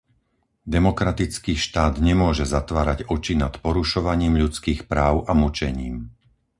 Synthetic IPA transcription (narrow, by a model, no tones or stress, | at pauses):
d̪ɛmɔkɾat̪it͡skiːʃt̪aːd̪ɲɛmʊɔʒɛzat̪ʋaːɾaɟɔt͡ʃinat̪pɔɾuʃɔʋaɲiːmʎut͡skiːxpɾaːʊʔamut͡ʃɛɲiːm